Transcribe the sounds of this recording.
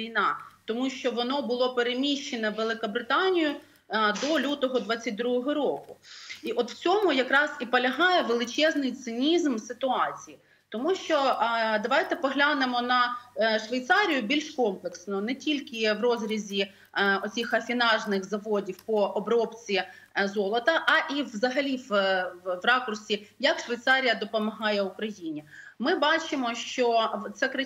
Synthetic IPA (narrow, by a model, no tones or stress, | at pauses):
ijnɑt̪ɔmuʃt͡ʃɔʋɔnɔbʊlˠɔpeɾemʲiʃt͡ʃenɐʋelˠɪkɐbɾɪt̪ɑnʲijʊ | d̪ɔlʲut̪ɔɦɔd̪ʋɑt͡sʲːɐt̚ʲd̪ɾuɦɔɦɔɾɔkʊiʔɔt̪wt͡sʲɔmʊjɐkɾɑzipɔlʲɐɦɑjɛʋelˠɪt͡ʃɛznɪjt̪sɪnʲizmsɪt̪ʊɑt͡sʲiji | t̪ɔmuʃt͡ʃɔd̪ɐʋɑjt̪ɛpɔɦlʲanemɔnɐʃʋɐjt̪sɑɾʲijʊbʲilʲʃkɔmplˠeksnɔnɛtʲilʲkʲɪʋrɔzɾʲizʲi | ɔt͡sʲixɐfʲinɑʒnɪxzɐʋɔdʲiwpɔʔɔbɾɔpt͡sʲizɔlˠɐt̪ɐʔɐʔiʋzɐɦɐlʲiʋ | ʋrɑkʊrsʲijɐkʃʋɐjt̪sɑɾʲijɐd̪ɔpɔmɐɦɑjɛʊkɾɐjinʲimɪbɑt͡ʃɪmɔʃt͡ʃɔt̪sɛkɾɐ